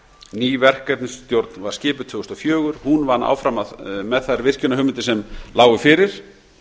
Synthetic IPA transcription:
niːvɛr̥kɛt̪nst̪jowɾt̪nvaɾ̥scɪːpʏt̪ʰvʏːɣʏst̪ɔfjœːɣʏɾ̥hunvanːa̰wfɾamaðmɛðθajɾvɪr̥cʏnahɦʏmɪnt̪ɪsɛmlaːwɣʏfɪːɾɪɾ̥

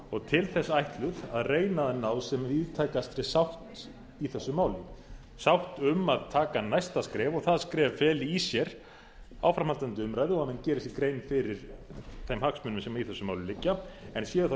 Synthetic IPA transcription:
ɔɣt̪ʰɪlθɛsːaajht̪lʏðaðreːjnaðɪnːaːwsɛmviðt̪ʰajkast̪ɾɪsawht̪ | iθɛsːʏmawlɪ | sawht̪ʏmaðt̪ʰaːkanajst̪askɾɛːvɔɣθaðskɾɛːvfɛːlɪisjɛɾ̥ | a̰wfɾamalt̪ant̪ʏʏmɾajðɪɔamɛncɛːɾɪsɪkɾeːjnfɪɾɪɾθejmhaksmʏnʏmsɛmaiθɛsːʏmaːwlɪʏlɪcːaɛnsjɛːðʏθa

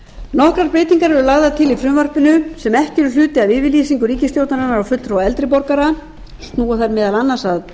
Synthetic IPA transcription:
nɔhkɾaɾpɾeːjt̪iŋkaɾvɛɾʏlaɣðat̪ʰɪlifɾʏmvar̥pɪnʏsɛmɛhcɪɾʏl̥ʏːt̪ɪavɪːvɪliːsiŋkʏɾiːcɪst̪jowt̪naɾanaɾawfʏt̪ːɾowaɛlt̪ɾɪp̬ɔɾkaɾa | st̪nuːaθaɾmɪːðalanːasað

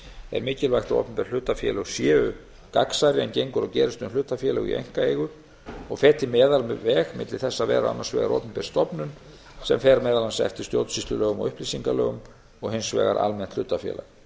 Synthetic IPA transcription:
ɛ̰ɾmɪːcɪlvajxt̪ao̰ːpʏmpɛɾ̥l̥ʏːt̪afjɛ̰lɛɣsjɛːʏ | ka̰ksaɾɪɛncejŋkʏɾɔwcɛːɾɪst̪ʏmlʏːt̪afjɛlɛɣḭḛjŋ̥kaejɣʏɾ̥ | ɔɣfɛːt̪ɪmɛːðalmɛvɛːɣmɪt̪lɪθɛsːavɛ̰ːɾa̰a̰nːasvɛ̰ːɣa̰ɾʔɔ̰ːpʏmpɛɾ̥st̪ɔpnʏn | sɛmfɛːɾamɛːðalansɛ̰ft̪ɪ̥st̪jowt̪sist̪lʏlœːɣʏmɔ̰ɣʏhpliːsiŋkalœ̰ːɣʏm | ɔɣɦɪnsvɛ̰ːɣa̰ɾʔa̰lmɛn̥t̪l̥ʏːt̪afjɛ̰ːla̰ɣ

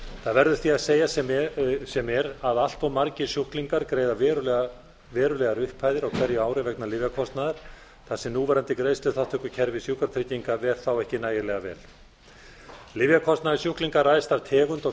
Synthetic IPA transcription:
θaðvɛɾðʏ̥θiaðseːja | sɛmɛɾaðal̥t̪awmaɾcɪ̥sjuhkliŋkaɾkɾeːjðavɛɾʏl | vɛːɾʏlɛɣaɾʏhpʰːaːjðɪɾaɣkʰv̥ɛɾjʏaːwɾɪvɛknalɪvjakʰɔst̪naðɪɾ̥ | θasɛmnuːvɛɾant̪ɪkɾeːjst̪ʏθat̪ʰœhkʏcʰɛɾvɪsjuhkaɾt̪ʰɾɪciŋkavɛɾ̥θawɛhcɪnaːjɪlɛɣavɛ̰ːl | lɪvjakʰɔst̪naðɪsjuhkliŋkarajst̪av̥t̪ʰɛːɣʏnt̪ɔ

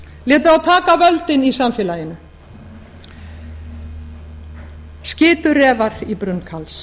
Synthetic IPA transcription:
lɪːt̪ʏɾawt̪ʰaːkavœlt̪ɪnisamfɛːlajɪnʏ | scɪːt̪ʏɾɛːvaɾipɾʏnkʰals

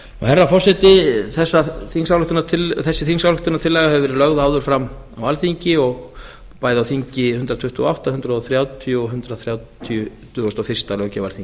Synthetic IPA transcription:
nɔ̰hɛrːafɔrsɛt̪ɪθɛsːaθinsawlʏht̪ʏnat̪ʰɪlθɛsːɪθiŋsawlʏht̪ʏnat̪ʰɪlːɛːjɣahɛvʏvɛɾɪɾlœɣðaawðʏɾ̥fɾamː | awalθiɲcɪɔɣ | paːjðɪawθiɲcɪhʏnt̪ɾat̪ʰʏht̪ʏɔa̰wht̪ahʏnt̪ɾaɔθɾjaːwt̪ʰiuɦʏnt̪ɾaðθɾjaːwt̪ʰiʏt̪ʰʏːɣɔst̪ɔfɪr̥st̪alœɣwcavalθiɲc

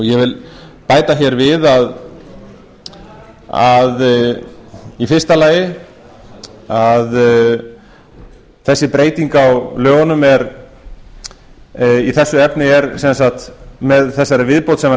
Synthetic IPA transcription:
ɔjɛvɪlpaːjt̪açɛɾvɪðað | að | ifɪrst̪alaːjɪ | að | θɛsːɪpɾeːjt̪iŋkawlœːɣɔnʏmɛɾ | iθɛsːʏɛpnɪɛɾsɛnsaxt̪mɛðθɛsːaɾɪvɪðpowt̪sɛma

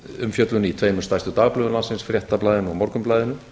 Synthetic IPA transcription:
ʏmfjœt̪lʏnit̪ʰveːjmʏst̪ajst̪ʏt̪aːɣaplœːðlansɪnsfɾjɛht̪aplajðɪnɔɣmɔɾkʏmplaːjðɪnʏ

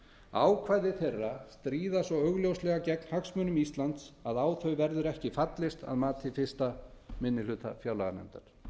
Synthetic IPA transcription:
a̰ːwkʰvaːjðɪθerːast̪ɾiːðasɔœɣljowslɛɣacɛkn̥haksmœːnʏmist̪lant̪saðaːwθœɥvɛɾðʏɾɛhcɪfat̪lɪst̪a̰ðmaːt̪ʰɪfɪ̥st̪amɪnːɪlʏːt̪a̰fjaːwlaɣanɛ̰mt̪aɾ̥

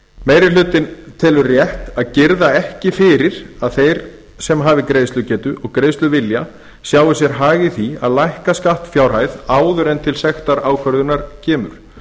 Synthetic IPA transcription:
meːjɾɪlʏːt̪ɪnt̪ʰɛːlʏɾrjɛht̪aðcɪɾðaɛhcɪfɪːɾɪɾ̥aðθejɾ | sɛmɦaːvɪkɾeːjst̪lʏcɛːt̪ʏʔɔɣkɾeːjst̪lʏvɪlja | sjaːwɪsjɛɾɦaːɣɪθiaðlajhkaskaht̪fjaːwɾ̥ɦajðaːwðʏɾɛnt̪ʰɪlsɛxt̪aɾaːwkʰœɾðʏnaɾ̥cʰɛːmʏ̰ɾ̥

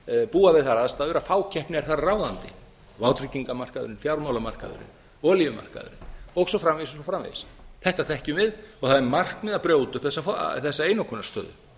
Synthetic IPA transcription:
puːavɪðθaɾaðst̪aːðʏɾafaːwcʰɛhpnɪɛɾθaɾaraːwðant̪ɪ | vawt̪ɾiciŋkamar̥kaðʏ̰ɾɪnfjawɾmawlama̰r̥ka̰ðʏ̰ɾɪ̰n | ɔlivʏma̰r̥ka̰ðʏ̰ɾɪnɔɣsɔfɾamvesɔsɔfɾamvḛjsθɛht̪aθɛhcʏmɪðɔɣθaðɛɾmar̥kmɪðapɾjoːwt̪ʏhpθɛsːafθɛsːaeːjnɔkʰɔnːast̪œ̰ːðʏ̰

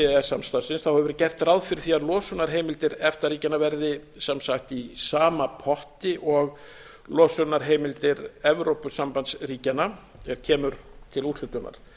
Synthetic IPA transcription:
ɛɛɾ̥samst̪asɪnsθawhɛvʏvɛɾcɛr̥t̪rawðfɪɾθiaɾlɔːsʏnaɾ̥ɦeːjmɪlt̪ɪɾɛft̪aɾiːcanavɛɾðɪ | samsaxt̪isaːmapʰɔht̪ɪʔɔɣ | lɔːsʏnaɾ̥ɦeːjmɪlt̪ɪɾɛvɾowpʏsampant̪sriːcanːa | ɛɾ̥cʰɛːmʏɾt̪ʰɪluht̪lʏt̪ʏnːa̰ɾ̥

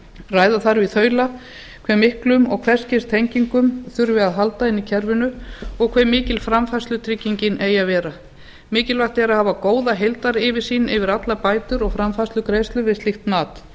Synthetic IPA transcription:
raːjðaθaɾvɪθœːɥla | kʰvɛmːɪhklʏmɔɣkʰv̥ɛr̥scɪst̪ʰejɲciŋkʏmθʏɾvɪaðɦalt̪aɪnːicʰɛɾvʏnʏɔɣkʰvɛmːɪːcɪlfɾamfast̪lʏt̪ʰɾɪcːiɲcɪnʔeːjavɛːɾa | mɪːcɪlvaht̪ɛɾahaːvakoːwðaɦejlt̪aɾɪvɪɾ̥siːnɪvɪɾat̪lapaːjt̪ʏɾɔɣfɾamfast̪ʏkɾeːjst̪lʏvɪðsɪxt̪naːt̪

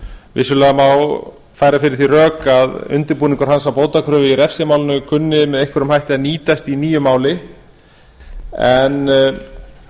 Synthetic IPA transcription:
vɪ̰sʏlɛːɣamaw | fajɾafɪɾɪɾθirœːkaðʏ̰nt̪ɪɾpuːniŋkʏɾ̥ɦansawpoːwt̪akʰɾœːvɪiɾɛfsɛmaːwlɪnʏkʰʏnːɪmɛðejhkvɛɾʏmhajht̪ɪaniːt̪ast̪iniːjʏmaːwlɪ | ɛn

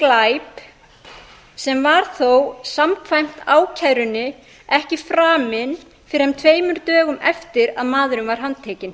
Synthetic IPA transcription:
klajp | sɛmvaɾ̥θowsamkʰvajm̥t̪aːwcʰɛðɾʏnːɪ | ɛhcɪfɾaːmɪn | fɪɾɪ̥ɾhɛmt̪ʰveːjmʏɾt̪œːɣʏmɛft̪ɪɾaðmaːðʏɾʏmvaɾ̥ɦanːt̪ʰɛːcɪn

